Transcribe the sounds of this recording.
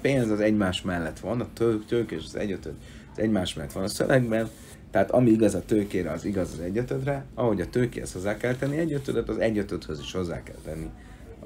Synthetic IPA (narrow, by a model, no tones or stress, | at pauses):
peːnzɒzɛɟmaːʃmɛlːɛt̪ʋɒnɒt̪økt̪øːkeːʃɒzɛ̰ɟøt̪ød̪ | zɛɟmaːʃmɛlːɛt̪ʋɒnɒsø̰vɛɡbɛn | t̪ɛaːt̪ɒmiiɡɒzɒt̪øːkeːɾɛɒziɡɒzɒzɛɟːøt̪ød̪rɛɒɦo̞ɟɒt̪øːkḛːhɛ̰sho̞zːaːkɛlt̪ɛnːiɛɟːøt̪ød̪øt̪ɒzɛɟøt̪øt̪høziʃho̞zːa̰ːkɛ̰lt̪ɛnːi